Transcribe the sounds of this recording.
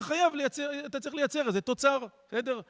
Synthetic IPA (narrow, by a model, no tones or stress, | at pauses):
χajavlejat͡seʁat̪at͡sʁiχlejat͡se̞ʁezet̪o̞t͡saʁ̥sed̪e̞ʁ